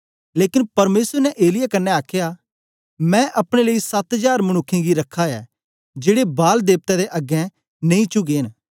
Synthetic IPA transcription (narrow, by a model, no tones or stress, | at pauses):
leːkɪnpɐɾmeːsəɾnɛʔeːlɪjakɐnːɛaːkʰeja | mɛ̃ʔɐpɽ̃eleːisɐt̪d͡ʒaːɾmɐñʊkʰːẽɡiɾɐkʰːaɛ̰ː | d͡ʒeːɽebaːld̪eːp̚t̪ɛ̃d̪eʔɐɡɛ̃ | nẽĩt͡ʃʊɡeːn